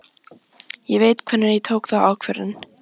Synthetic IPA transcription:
jɛveːjt̪kʰvɛnːaɾjɛt̪ʰowkθaaːwkʰvɛɾɪ̰n

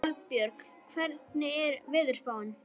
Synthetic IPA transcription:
lpjœɾk | kʰvɛɾt̪nɪɛɾvɪːðʏɾ̥spaːwɪn

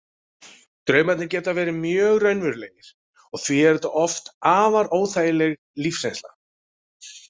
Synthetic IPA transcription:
t̪ɾœːɥmat̪nɪɾcɛːt̪avɛːɾɪmjœːɣrœɥnvʏɾlɛːjɪɾ̥ | ɔɣθviɛɾt̪aʔɔft̪aːvaɾoːwθaːjɪlɛɣ | lifsɛjnsla̰

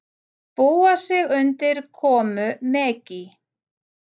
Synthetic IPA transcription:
puwasɪɣʏnt̪ɪɾ̥kʰɔːmʏmɛːcɪ

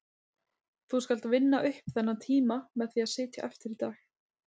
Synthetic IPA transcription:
θuskalt̪vɪnːaʔʏhpθɛnːat̪ʰiːmamɛðθiaðsɪːt̪ja̰ʔɛft̪ɪɾit̪aːx

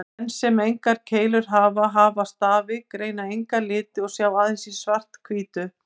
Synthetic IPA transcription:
ɛnːsɛmejŋkaɾ̥cʰeːjlʏɾ̥ɦaːvaɦaːvast̪aːvɪkɾeːjnaejŋkalɪːt̪ɪɔɣsjaːwaːðɪnsisvar̥t̪kʰviːt̪ʏ

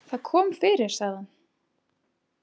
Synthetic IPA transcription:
θaðkʰɔːmfɪɾɪɾ̥saɣðan

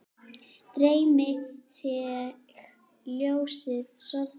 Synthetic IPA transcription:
t̪ɾeːjmɪθjɛ | x | ljowsɪðsɔv

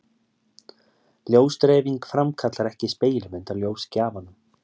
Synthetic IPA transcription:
ljoːwst̪ɾɛːviŋkfɾamkʰat̪laɾɛhcɪspeːjlʏmɛnt̪aɾljoːwscaːvanʏm

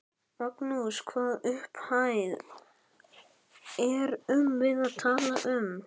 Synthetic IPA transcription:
mɔknuskʰvaːðʏhphaːjð | ɛɾʏmvɪðaðt̪ʰaːlaʔʏm

